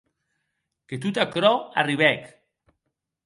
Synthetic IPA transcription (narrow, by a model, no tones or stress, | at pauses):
ket̪ut̪akɾɔa̰riβɛk